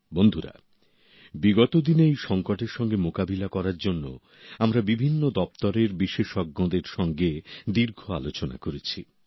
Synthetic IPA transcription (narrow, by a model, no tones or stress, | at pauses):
bond̪ʱuɾa̰ | biɡɔt̪od̪inejʃɔŋkoʈeɾʃɔŋɡemokabilakɔɾaɾd͡ʑonːo̰ | amɾabibʱinːod̪ɔpt̪oɾeɾbiʃeʃɔɡːɔ̃d̪eɾʃɔŋɡed̪iɾɡʱoalot͡ɕona̰koɾet͡ɕʰi